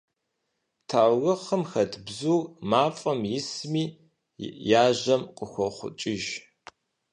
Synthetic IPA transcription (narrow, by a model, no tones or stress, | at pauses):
tʰaːwrɨχəmxɐtʰbzuːrmaːfʼɐmjɪsmiː | jaːʑɐmqʼəxʷɔχʷʊ̰t͡ʃʼɪʒ